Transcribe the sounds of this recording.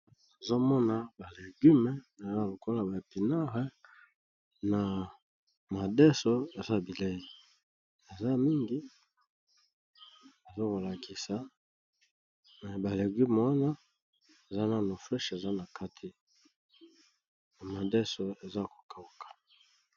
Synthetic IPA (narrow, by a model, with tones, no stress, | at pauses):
na˨zo˦mɔ˦na˨ba˨le˨ɡy˦me˨na˨za˦˨lo˨ko˦la˨ba˨pi˨na˦ʁɛ˦ | na˨ | ma˨dɛ˦so˦e˨za˦bi˨le˦i˨ | e˨za˦mi˦ŋɡi˦ | e˨zo˦ko˨la˨kʰi˨sa˨ | mɛ˨ba˨le˨ɡy˦me˨wa˦na˦ | e˨za˦na˨no˨flɛ˦ʃe˨za˦na˨kʰa˦tʰi˨ | na˨ma˨dɛ˦so˨e˨za˦ko̥˨ka˨u˨kḁ˨